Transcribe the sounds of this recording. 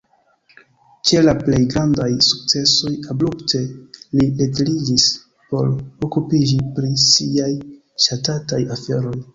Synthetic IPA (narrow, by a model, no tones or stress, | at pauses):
t͡ʃe̞laple̞jɡɾandajsuk̚t͡se̞so̞jablupte̞lietelid͡ʒis | po̞̰ɾokupid͡ʒipɾisiaj | ʃatatajafe̞ɾo̞j